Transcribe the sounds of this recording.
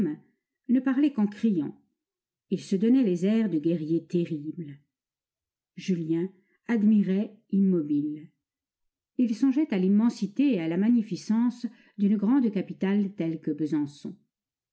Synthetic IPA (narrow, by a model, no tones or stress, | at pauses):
m | nəpaʁlɛkɑ̃kχijɑ̰̃ | ilsəd̪ɔnɛlezɛʁd̪əɡʲɛʁjet̪eʁibl | ʒyljɛ̃ | ad̪miʁɛ | imːɔbil | ilsɔ̃ʒɛt̪alimːɑ̃sit̪eːalamaɲifisɑ̃s | d̪ynɡʁɑ̃d̪kapit̪alt̪ɛlkəbəzɑ̃sɔ̰̃